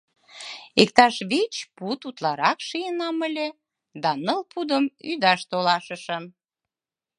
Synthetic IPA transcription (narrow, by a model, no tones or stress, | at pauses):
ek̚t̪ɑʃβet͡ɕput̪ut̪lɑɾɑkʃijənɑməlʲe | d̪ɑnəlpʰud̪əmyd̪ɑʃt̪olɑʃəʃəm